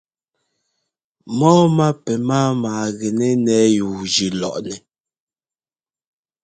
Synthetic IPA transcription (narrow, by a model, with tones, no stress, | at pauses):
mɔː˦ma˦pɛ˨maː˦maː˨ɣɛ˨nɛ˦nɛ˦ju˨d͡ʒi˨lɔ̰˨ʔnɛ˨